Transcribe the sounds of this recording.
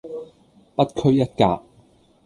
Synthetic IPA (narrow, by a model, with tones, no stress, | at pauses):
pɐ˥t̚kʰɵ˥ɥjɐ˥t̚ka̰ː˧p̚